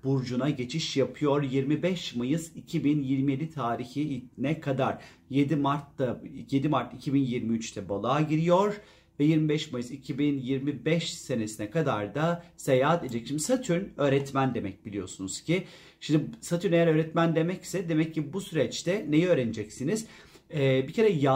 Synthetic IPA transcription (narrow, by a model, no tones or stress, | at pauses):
buɾd͡ʒunaɟe̞t͡ʃʰiʃjapʰɯjo̞ɾjiɾmibɛʃmajɯzicʰibinjiɾmijelʲit̪ʰaːɾiçinɛkʰad̪aɾ̥ | je̞d̪imaɾt̪lajed̪imaɾt̪icʰibinjiɾmiyt͡ʃt̪ʰɛbolˠaːɟiɾijo̞ɾ | vɛjiɾmibɛʃmajɯzicʰibinjiɾmibɛʃse̞nesinɛkʰad̪aɾd̪asejaːd̪ed̪ed͡ʒɛcʃimd̪isat̪ʰyɾnø̞ːɾɛt̪mænd̪e̞mɛc̚bilʲijo̞̰sunuz̥cʰi | ʃimd̪isat̪ʰyɾnejæɾøːɾɛt̪mænd̪e̞mɛcsɛd̪e̞mɛcʰːibusyɾɛt͡ʃt̪ʰɛne̞jɛøːɾenid͡ʒɛcsiniz̥ | ɛbicʰe̞ɾɛja